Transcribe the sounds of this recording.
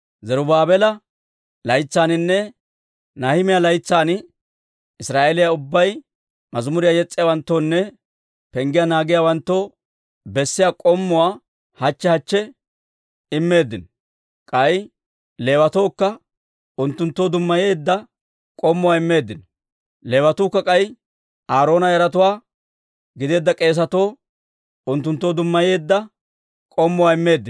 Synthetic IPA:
zɛɾʊbaːbɛlɐ | lɐjt͡sːaːnɪnːɛ | nahɪmɪjalɐjt͡sːaːnɪ | ɪsɾaːʔeːlɪjaʊbːɐj | mɐzʊmʊɾɪjajɛt͡sʼːɪjawɐnt̪ːoːnːɛ | pɛŋɡɪjɐnaːɡɪjawɐnt̪ːoː | bɛsːɪjakʼɔmːʊwaː | hɐt͡ʃːɛhɐt͡ʃːɛ | ɪmːe̞ːd̪ːɪnɔ | kʼɐj | le̞ːwɐt̪o̞ːkːɐ | ʊnt̪ːʊnt̪ːoːd̪ʊmːɐje̞ːd̪ːɐ | kʼɔmːʊwaːɪmːe̞ːd̪ːɪnɔ̥ | le̞ːwɐt̪uːkːɐkʼɐj | ʔaːɾoːnɐjɐɾɐt̪ʊwaː | ɡɪd̪e̞ːd̪ːɐkʼe̞ːs̬ɐt̪o̞ː | ʊnt̪ːʊnt̪ːoːd̪ʊmːɐje̞ːd̪ːɐ | kʼɔmːʊwaːɪmːe̞ːd̪ːɪn

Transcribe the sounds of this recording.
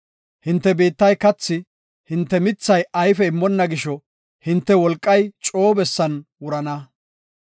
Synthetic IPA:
hɪnt̪ːɛbeːt̪ːɐjkɐt͡sːɪ | hɪnt̪ːɛmɪt͡sːɐjɐjfɛɪmːɔnːɐɡɪʃɔ | hɪnt̪ːɛwɔlkʼːɐjt͡ʃʼo̞ːbɛsːɐnwʊɾɐnɐ

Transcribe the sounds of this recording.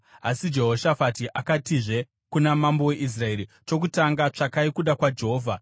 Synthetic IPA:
asid͡ʒe̞ɦo̞ʃafatiʔakatiʐe̞ | kunamambo̞we̞ʔis̬rae̞ɾi | t͡ʃo̞kutaŋɡat͡ʂakaikuɗakwad͡ʒeɦo̞ːvʱa

